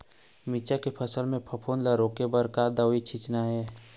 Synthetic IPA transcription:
mit͡ʃakepʰəsəlmẽpʰəpʰoːnlaɾoːkebəɾkad̪awit͡ʃʰɪt͡ʃnaɦɛː

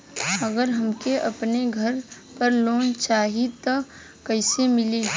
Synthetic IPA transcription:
əɡəɾɦəmkeʔɐpneɡʱəɾ | pəɾloːnt͡ʃaːɦit̪o | kəɪsemɪli

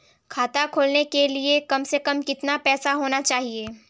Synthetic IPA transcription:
kʰaːt̪akʰoːlnekeliekɐmsekɐmkɪt̪napɛːsaɦoːnat͡ʃaːɦieː

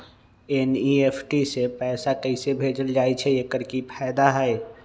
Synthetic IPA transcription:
enieːpʰʈisepɛːsakəisebʱeːd͡ʒəld͡ʒaːit͡ʃʰɛekəɾkipʰɛːd̪aɦɛe

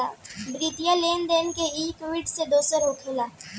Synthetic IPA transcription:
abɾiːt̪jaleːnd̪eːnkeiːkʋɪɖsed̪oːsəɾoːʈ̪ʰoːlaː

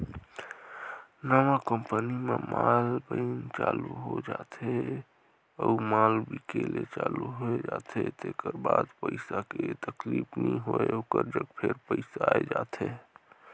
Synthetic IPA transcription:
nəʋakəmpənimemʔalbəɪnt͡ʃaluɦod͡ʒat̪ʰe | əumalbikelet͡ʃaluɦoed͡ʒat̪ʰet̪ekəɾbad̪pəɪsaket̪əklipʰnĩɦoeokəɾd͡ʒəɡpʰeɾpəɪsaed͡ʒat̪ʰe

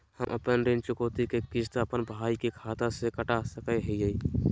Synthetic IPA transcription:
həmʔə̰pənɾɪnt͡ʃʊkoːt̪ikekɪst̪aəpənbaːikikʰaːt̪ãsekəʈasəkeɦiei

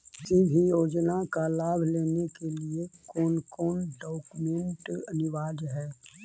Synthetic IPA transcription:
sibʱijoːd͡ʒnakalaːbʱleːnekeliekɔːnkɔːnɖɔːkumẽɳʈənɪʋaːd͡ʒɦɛː

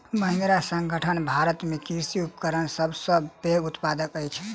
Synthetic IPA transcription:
məɦĩnd̪ɾasə̃ŋɡʱəʈʰənbʱaɾət̪mekiɾsiup̚kəɾənsəbsə̃beɡut̪pad̪əkəjt͡ʃʰ

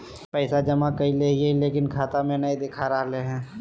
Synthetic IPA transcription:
pɛɪsad͡ʒɐmakɐileɦieileːkɪnkʰaːt̪amẽnɐĩd̪ɪkʰaːɾaːleɦɛ̃ː

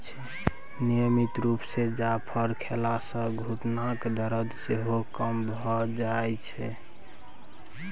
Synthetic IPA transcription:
t͡ʃʰɛ | nimit̪ɾupsed͡ʒapʰəɾkʰelasə̃ɡʱuʈnakd̪əɾəd̪seɦokəmbʱɔd͡ʒaɛt͡ʃʰɛ

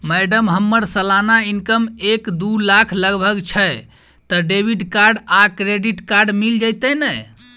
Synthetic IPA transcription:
mɛɖəmɦəmːəɾsəlanainkəmekd̪ulakʰləɡbʱəɡt͡ʃʰə | t̪ɔɖebʱiɖkaɾɖakɾeɖiʈkaɾɖmild͡ʒajt̪ɛnɛ

